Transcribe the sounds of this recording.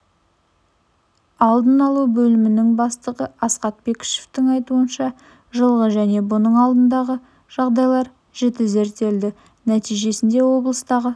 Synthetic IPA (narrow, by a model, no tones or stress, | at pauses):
ɑlˠd̪ənɑlˠubɵlɪmɪnɪŋbɑst̪əʁəɑsqɑt̪̚be̞kʲɪ̥ʃeft̪ɪŋɑjt̪uənʃɑ | ʒəlˠʁəʒæne̞bʊnəɴɑlˠd̪ənd̪ɑʁə | ʒ̥ɑʁd̪ɑjlˠɑɾ | ʒ̥et̪ɪze̞ɾt̪e̞ld̪ɪ | næt̪ijʒe̞sɪnd̪e̞wo̞blˠəst̪ɑʁə